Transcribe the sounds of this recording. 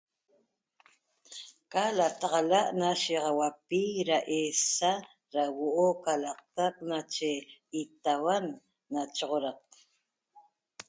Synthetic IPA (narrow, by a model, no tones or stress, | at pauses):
kalat̪ɑʁɑlaʔnaʃiʁɑwapiɾaʔesa | ɾawoʔokalɑq̚t̪ak̚nat͡ʃeit̪awanː | at͡ʃoʁoɾɑq̚